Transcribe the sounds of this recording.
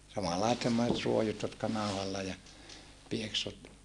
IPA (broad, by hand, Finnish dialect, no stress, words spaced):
sɑmɑlːɑisĕt semːoset ruojut jotkɑ nɑˑuhɑlːɑ jɑ pieksut